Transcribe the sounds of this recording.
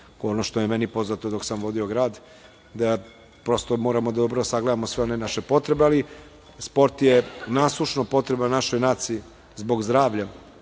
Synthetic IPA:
onoʃt̪ojemenipo̞znat̪od̪oksamʋo̞d̪io̞ɡɾaːd̪ | d̪a | pɾo̞st̪omo̞ːɾamo̞d̪ad̪obɾoosaɡled̪amosʋe̞o̞ne̞naʃe̞po̞t̪ɾe̞beali | spo̞ɾt̪jenaːslˠuʃnopo̞t̪ɾe̞bannaʃo̞jnaːt̪siː | zbo̞ɡzd̪ɾaːʋʎa

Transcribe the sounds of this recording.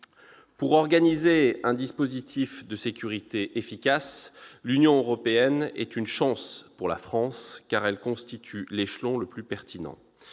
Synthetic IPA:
puʁɔʁɡanizeɛ̃d̪ispozit̪ʰifd̪əsekʲyʁit̪eʔefikʲaslynjɔ̃øʁɔpeɛnɛ̰t̪ynʃɑ̃spuʁla̰fχɑ̃skaʁɛlkɔ̃st̪it̪ʰyleʃlɔ̃ləplypɛʁt̪ʰinɑ̰̃

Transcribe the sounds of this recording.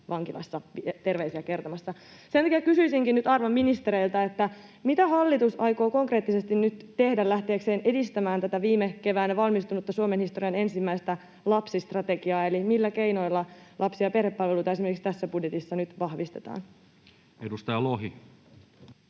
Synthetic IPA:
ʋɑŋkilɑ̰sːɑʋit̪e̞rʋeisiæke̞rt̪omɑsːɑ | sent̪ɑkijækysyisiŋkinyt̪ɑrʋɑmːinist̪eɾeilt̪ɑet̪ːæ | mit̪æhɑlːit̪usɑjkoːko̞ŋkre̞ːt̪ːise̞st̪innyt̪t̪e̞hdællæht̪e̞ːkseːne̞dist̪æmæːnt̪æt̪æʋiːmeke̞ʋæːnːeʋɑlmist̪unut̪ːɑsuomenhist̪o̞riɑne̞nsimːæist̪æ | lɑpsist̪rɑt̪e̞ɡiɑːelimilːækeino̞ilːɑlʔɑpsiɑperhepːɑlʋeluit̪ɑesimerkikst̪æsːæbudjet̪isːɑnyt̪ʋɑhʋist̪e̞t̪ɑ̰ːn | edust̪ɑjɑloɦi

